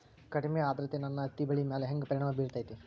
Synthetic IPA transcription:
kɐɽimeaːd̪ɾɐt̪ːenɐnːɐːt̪ibɐɭimeːleɦeŋɡpɐɾiɳaːmɐbiːɾt̪aːjt̪i

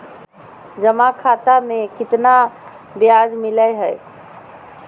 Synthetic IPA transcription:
d͡ʒəmakʰat̪amekit̪na | bjad͡ʒmiləjɦəj

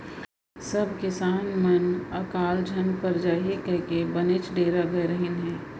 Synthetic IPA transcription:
sɐbʱkɪsaːnmɐnɐkaːld͡ʒʱɐnpɐɾd͡ʒaːɦekɛkebɐnɪt͡ʃɖeːɾaɡəɾəɦɪnɦɛ̃ː

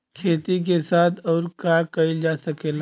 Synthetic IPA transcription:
kʰeːt̪ik̬esaːt̪ʰɔːɾkakɐild͡ʒaːsɐkeːl

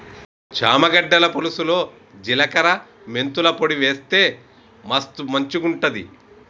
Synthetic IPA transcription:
t͡ʃaːmɐɡɐɖːɐlɐpolusulo̞ː | d͡ʒilɐkɐɾɐ | me̞nt̪ulɐpoɽiʋeːst̪e̞ː | mɐst̪umɐɲt͡ʃuɡuɳʈɐd̪ḭ

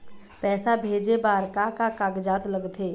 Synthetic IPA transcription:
pɛːsabʱeːd͡ʒebaːɾkakakaɡd͡ʒaːt̪ləɡt̪ʰeː

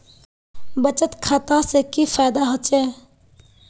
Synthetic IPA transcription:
bət͡ʃət̪kʰat̪ãsekifʰajd̪aɦət͡ʃe

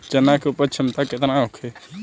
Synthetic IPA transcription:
d͡ʒənakeupəɾt͡ʃʰɪmt̪akɪt̪naɦokʰe

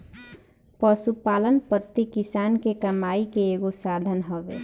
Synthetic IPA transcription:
pəsupalənpət̪ːikisankekəmaikeeɡosad̪ʱənɦɔbḛ

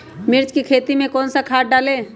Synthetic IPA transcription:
mɪɾt͡ʃkikʰeːt̪imẽkɔːnsakʰaːʈ̚ɖaːleː

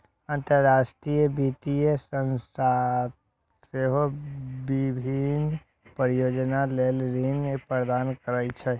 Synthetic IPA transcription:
ənt̪əɾːasʈɾijəbit̪ijəsənsat̪ | seɦobibʱin | pəɾijod͡ʒnalelɾinepɾəɾd̪ankəɾət͡ʃʰɛ

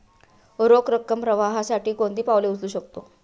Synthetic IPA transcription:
ɾokɾəkːəmpɾəʋaɦasaʈiːkond̪iːpaʋleut͡sluːɕək̚t̪o

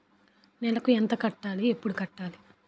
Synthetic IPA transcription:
nɛlɐkuent̪ɐkɐʈːaːliepːuɽukɐʈːaːli

